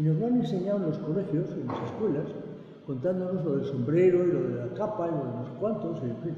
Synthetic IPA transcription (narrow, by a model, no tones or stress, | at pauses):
inozmanenseɲawnlo̞skolexjosenaseskwelas | ko̞nt̪and̪onozloðelsõ̞mbɾeɾoiloðelakapailoðenoskwant̪osiðepi